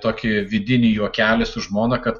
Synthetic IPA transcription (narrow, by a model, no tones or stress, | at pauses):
t̪oːkʲɪʋʲɪd̪ʲɪnʲɪjuɔkʲæːlʲɪsʊʒmoːnɐkɐt̪